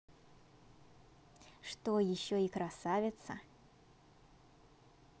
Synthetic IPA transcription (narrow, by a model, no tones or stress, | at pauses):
ʂt̪ojɪɕːoɪkɾɐsavʲɪt̪sə